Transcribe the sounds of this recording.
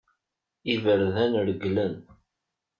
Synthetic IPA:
ivəɾðænɾəɡlən

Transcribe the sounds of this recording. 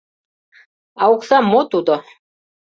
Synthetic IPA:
auksamːɔt̪ud̪ɔ

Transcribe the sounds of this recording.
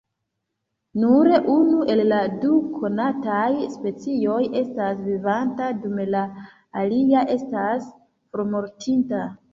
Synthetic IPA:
nuɾeʔunuʔe̞lːadukʰo̞natajspe̞t͡sijo̞je̞stasvivantadumelaː | liaʔe̞stas | foɾmo̞ɾtʰinta

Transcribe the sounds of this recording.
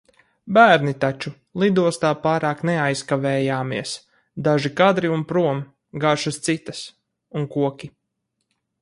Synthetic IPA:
bæːɾnit̪at͡ʃu | lˠid̪uɔst̪aːpaːɾaːknɛajskavɛːjaːmiɛs | d̪aʒikad̪ɾiunpɾuɔm | ɡaʃust̪sit̪ɐs | unkuɔkʲi

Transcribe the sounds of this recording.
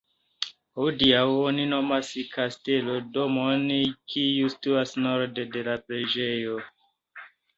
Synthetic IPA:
hodiawonino̞maskʰaste̞lo̞domonkiustuasnoɾdede̞lapɾe̞d͡ʒejo

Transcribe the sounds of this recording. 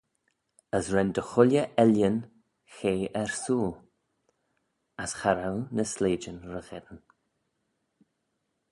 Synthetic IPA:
əsɹɛnd̪əxʊlʲjəʔɛljən | xeːʔɛɹsuːl | asxaɾawnəsleːd͡ʒənɹəɣɛdən

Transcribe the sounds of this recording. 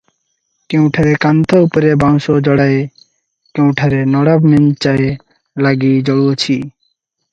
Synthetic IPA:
kew̃ʈʰaɾekant̪ʰoupoɾebaŋʃod͡ʑɔɽae | kew̃ʈʰaɾenɔɽabment͡ʃae | laɡid͡ʑɔɽuot͡ɕʰi

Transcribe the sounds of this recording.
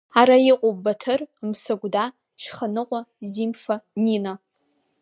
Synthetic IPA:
aɾajiqʷʼobatʰɨrmsaɡʷda | ʃχanɨqʷʼazimfanina

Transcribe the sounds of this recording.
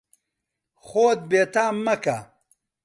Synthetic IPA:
xoːt̪̚beːt̪aːmːɐka

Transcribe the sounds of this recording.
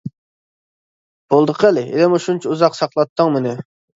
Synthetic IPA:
b̥olˠd̪əqʰəlɪʔelɪmuʃunt͡ʃʰiuzɑqsɑqlˠɑt̪ʰːəŋmɪnɪ

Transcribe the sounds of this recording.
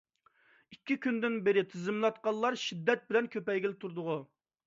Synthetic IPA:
ikʲʰːikʲynd̪ɪnbɪɾɪt̪ʰɪzɪmlˠɑt̪̚qɑllˠɑɾʃid̪ːɛt̪̚bɪlɛnkʲʰøpɛjɡʲɪlɪt̪ʰuɾd̪ʊʁu

